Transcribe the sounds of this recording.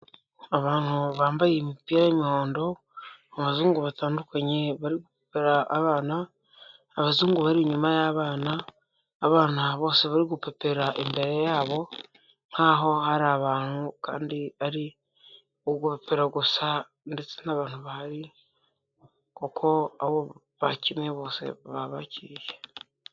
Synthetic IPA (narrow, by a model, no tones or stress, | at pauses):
aβaːn̥huβaːmbajemipiɾajemiho̞ːndo̞ | aβazuːŋɡuβataːndukaɲe̞βaɾiɡupe̥peɾaːβaːnaː | βazuːŋɡuβaɾiɲumajaβaːnaː | βaːnaβo̞ːseβaɾiɡupe̞pe̞ɾaʔembe̞ɾe̞jaːβo̞ | n̥haɦo̞haɾaβaːn̥huka̰ːndiaɾi | oɡupe̞pe̞ɾaɡusa | nde̞t͡senaβaːn̥uβahaɾi | kokʰo̞aβo | βacimeβo̞ːse̞̰βaβacʰiɾije